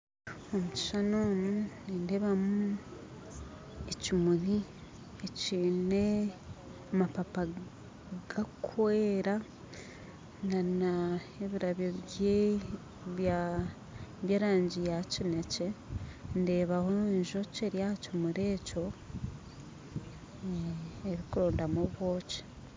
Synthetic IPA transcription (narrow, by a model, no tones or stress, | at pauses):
omuci̥ʃanoːmunindeβamu | ecimuɾi | eciːne̞ | amapapa | ɡ̥akʰweːɾa | ŋɡana | eβiɾaβjoe | βa | βjaɾaːɲɟijacine̞ce̞nde̞ːβaho̞eɲʒoceɾjacimuɾe̞ːco̞ | eβikuɾo̞ːndamoβwo̞ːci̥